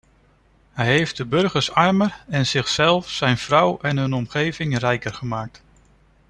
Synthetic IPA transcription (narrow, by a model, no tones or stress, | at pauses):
ɦɛjɦejfd̚dəbɵɹχəɹsɑɹməɹɛnzɪχsɛlˠfsɛjnv̥rʌwɛnɦɵnɔmχejvɪŋrɛjkəɹχəmaːk̚t